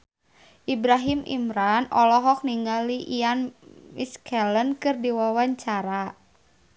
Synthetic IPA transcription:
ʔibɾaɦimḭmɾanɔlɔɦɔk̚niŋaliʔianmiskʰɛlənkɨrdiwawaɲt͡ʃaɾa

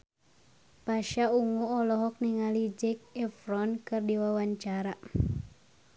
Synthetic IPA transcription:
paʃauŋuɔlɔɦɔk̚niŋalid͡ʒɛk̚ɛfɾɔnkɨrdiwawaɲt͡ʃaɾa

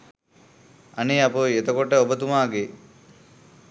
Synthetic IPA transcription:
ɐniɐpoet̪ɐkoʈəobət̪̬umaːɡe

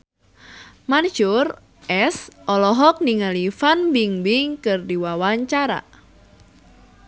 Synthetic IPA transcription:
mand͡ʒʊr | ʔɛsʔɔlɔɦɔk̚niŋalifanbiŋbiŋkɨrdiwawaɲt͡ʃaɾa̰

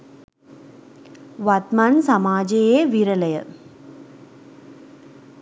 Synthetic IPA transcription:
ʋɐt̪maːnsɐmaːd͡ʒejeːʋiɾɐlɐjɐ̰

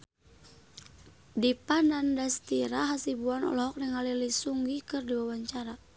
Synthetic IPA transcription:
dipanandast̪iɾaɦasibuanɔ̰lɔɦɔk̚nɛŋalilisuŋɡikɨrdiwawaɲt͡ʃaɾa

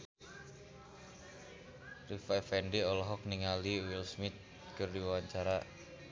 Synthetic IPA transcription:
rifɛfɛndiɔlɔɦɔk̚niŋaliwilsmɪt̪̚ | kɨrdiwawaɲt͡ʃaɾa

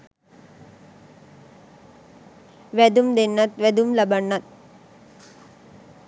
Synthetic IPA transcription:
ʋɛd̪umd̪ɛnːɐt̪ʋɛd̪umlɐbɐɳːɐt̪̚

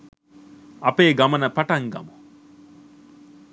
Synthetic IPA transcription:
ɐpeːɡɐmɐnɐpɐʈɐŋɡɐ̰mu

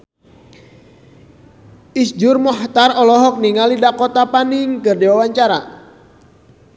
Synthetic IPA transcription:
ʔisd͡ʒʊrmɔɦt̪arɔlɔɦɔk̚niŋalidakɔt̪apanɪŋkɨrdiwawaɲt͡ʃaɾa

